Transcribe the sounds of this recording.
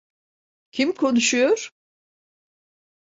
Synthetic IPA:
cʰimkʰo̞nuʃujoɾ̥

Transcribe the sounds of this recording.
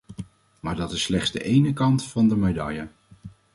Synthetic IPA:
maːɹdɑtɪsːlɛχz̥də̰ʔejnəkɑntfɑndəmajdɑ̰ja

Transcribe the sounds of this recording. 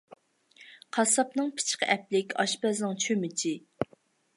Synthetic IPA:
qʰɑsɑpnɨŋpʰɪ̥t͡ʃqə̰ʔɛplɪkʲɑ̰ʃpɛznɨŋt͡ʃʰømɪt͡ʃʰi

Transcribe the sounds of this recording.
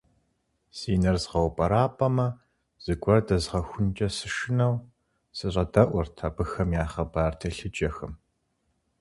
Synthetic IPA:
siːnɐrzʁɐwpʼɐɾaːpʰʼɐmɐ | z̥ɨɡʷʼɔrdɐzʁɐxʷʊnt͡ʃʼɐsɨʂɪnɐw | sɨɕʼɐdɐʔʷrtʰaːbɨxɐmjaːχɐbaːrtʰɐɬɨt͡ʃʼɐxɨm

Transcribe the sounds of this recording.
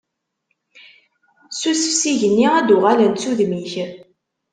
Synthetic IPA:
susə̥fsiʝənːiæd̪ʊʁalənt͡sːuðmiç

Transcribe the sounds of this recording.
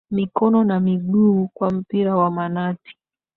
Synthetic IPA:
mikɔnɔnamiɠukwam̩piɾawamanatʰi̥

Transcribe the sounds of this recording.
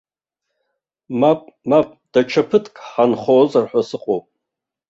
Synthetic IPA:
mapʼmapʼd̥at͡ʃʰapʰɨtʰkʼħanχoːzarħʷasɨqʼowpʼ

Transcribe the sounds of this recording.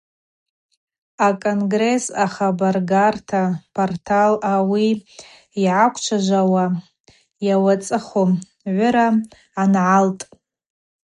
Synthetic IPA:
akʼonɡre̞saχabarɡartʰapʰortʰalawi | iʕakʷʰt͡ʃʷʰaʒʷawa | jawat͡sʼɨχom | ʕʷʊɾa | anʕaltʼ

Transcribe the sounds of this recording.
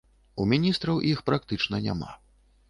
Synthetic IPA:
umʲinʲist̪ɾɐwʔixpɾakt̪ɨt͡ʂnɐnʲa̰ma̰

